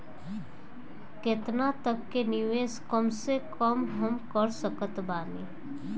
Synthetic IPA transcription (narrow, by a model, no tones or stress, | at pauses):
kɪt̪nat̪əkːenɪʋeːskəmsekəmɦəmkəɾsəkət̪baːneː